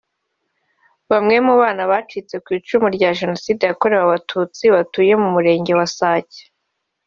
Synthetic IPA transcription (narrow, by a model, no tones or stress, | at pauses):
βamŋe̞muβaːnaβaːt͡ʃit͡se̞kwiːt͡ʃumuɾɟaʒe̞no̞siːde̞jako̞ɾe̞waβatʰuːt͡siβatuje̞mumuɾe̞ːɲɟe̞wasaːce̥